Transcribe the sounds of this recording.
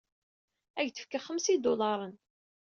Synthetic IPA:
æʝθə̥fkaχəmsid̪olɑɾˤən

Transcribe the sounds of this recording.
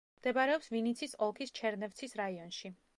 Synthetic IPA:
md̪̥ɛbaɾɛɔpsvinit̪sʰisɔlˠkʰist͡ʃʰɛɾnɛft̪sʰisɾaiɔnʃi

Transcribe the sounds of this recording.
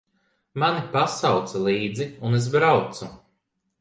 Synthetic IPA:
manipasawt̪salˠiːd̪ziunez̬bɾawt̪su

